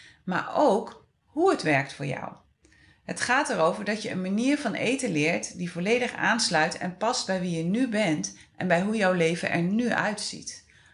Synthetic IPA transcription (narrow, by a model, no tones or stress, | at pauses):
ma̰ːɹowk | ɦuətʋɛɹk̚tfʊːɹjɑ̰w | ɦətχaːtɛɹowvəɹdɑtjəənmaniːɹvɑnʔḛjtəlɪːɹtdivɔlejdəχa̰ːnslœɥtɛ̰npɑst̚bɛjʋijənybɛnt | ʔɛnbɛjɦujɔwlejvə̰nʔɛ̰ɹnyʔœ̰ɥtsḭt